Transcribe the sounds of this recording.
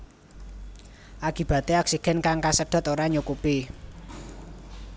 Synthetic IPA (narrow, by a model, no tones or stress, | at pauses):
ʔakib̥a̤t̪eaksiɡ̥ɛ̤nkaŋkasəɖ̥ɔ̤t̪oɾaɲukupi